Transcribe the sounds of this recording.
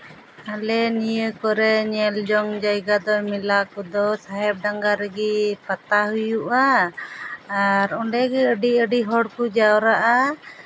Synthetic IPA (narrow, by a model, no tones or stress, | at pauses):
alɛnijəkɔɾɛɲɛld͡ʒɔŋd͡ʒajɡad̪ɔmilakɔd̪ɔsaɦɛb̚ɖaŋɡaɾəɡipat̪aɦujuʔaː | ɾɔɳɖɛɡɛəɖiəɖiɦɔɽkud͡ʒawɾaʔa